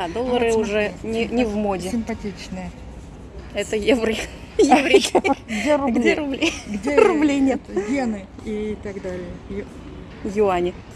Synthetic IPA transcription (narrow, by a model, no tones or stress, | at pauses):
ad̪olˠːəɾɨʊʐɛnʲɪnʲɪvmodʲɪsɪmpɐtʲit͡ɕnɨjə | ɛt̪əjevɾɨ | jevɾʲiɡʲeɾʊbɡʲeɾʊblʲejɡdʲeɾrʊblʲejnʲet̪ɡʲenɨ | it̪aɡd̪alʲɪjə | jʊanʲɪ